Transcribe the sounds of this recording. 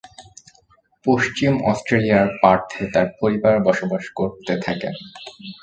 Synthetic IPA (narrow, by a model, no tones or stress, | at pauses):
poʃt͡ɕimɔ̰sʈɾelijaɾpaɾt̪ʰet̪aɾpoɾibaɾbɔʃobaʃkoɾt̪et̪ʰakḛn